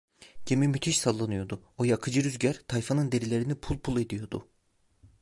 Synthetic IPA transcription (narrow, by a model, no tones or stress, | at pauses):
ɟemimyt̪ʰiʃsalˠːanɯjo̞d̪ʊojakʰɯd͡ʒɯɾyzɟæɾt̪ʰajfanɯnd̪e̞ɾilʲe̞ɾinipʰulˠpʰulˠe̞d̪ijo̞d̪ʊ̰